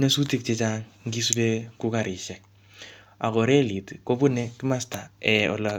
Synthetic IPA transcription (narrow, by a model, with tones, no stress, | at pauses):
ne˦su˦ti˦k̚t͡ʃɛ˦t͡ʃa˦ŋŋɡi˦su˦le˦ku˦ka˨ɾɪ˨ʃɛ˨k | a̰˨kɔ˨ɾɛ˦li˨tko˦pu˦nɛ˦kɪ˦ma˦sta˨ɛ˨ɔ̰˨la˨